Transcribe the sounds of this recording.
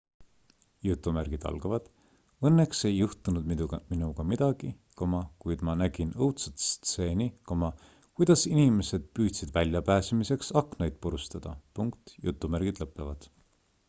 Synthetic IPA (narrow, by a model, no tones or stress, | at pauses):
jut̪ːˑumæɾɡ̥id̪̥ɑ̰lɡ̥ɑvɑd̪̥ | ɤnːekse̞jːuht̪unud̪̥minuɡ̥ɑmid̪̥ɑɡ̥i | komɑkujd̪̥mɑnæɡ̥inɤwt̪sut̪st̪se̞ːnikomɑ | kujd̪̥ɑsinime̞se̞d̪̥̚pyːt̪sid̪vælʲjɑpæːsemise̞ksɑknɑjd̪̥̚poɾust̪ɑd̪̥ɑpuŋkt̪jut̪ːˑumæɾɡ̥id̪̥lɤpːˑevɑd̪̥